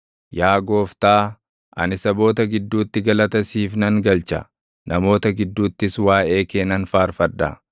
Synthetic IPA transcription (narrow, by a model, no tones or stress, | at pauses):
jaːɡo̞ːft̪aː | ʔɐ̰nɪsɐbo̞ːt̪ɐɡɪd̪ːuːt̪ːɪɡɐlɐt̪ɐsiːfnɐŋɡɐlt͡ʃɐ̰ | nɐmo̞ːt̪ɐɡɪd̪ːuːt̪ːɪswaːʔeːkeːnɐnfaːɾfɐd̪ːa̰